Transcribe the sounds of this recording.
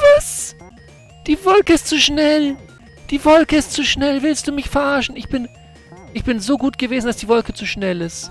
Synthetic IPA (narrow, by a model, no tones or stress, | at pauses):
vɪs | d̥iːvɔlkəɪstt͡suːʃnɛl | d̥iːvɔlkəɪstt͡suʃnɛlvɪlst̚d̥uːmɪçfɛɐʔaːʃn̩ɪçb̥ɪn | ʔɪçb̥ɪnzoːɡuːtɡ̥əveːzn̩d̥asd̥iːvɔlkət͡suːʃnɛlɪst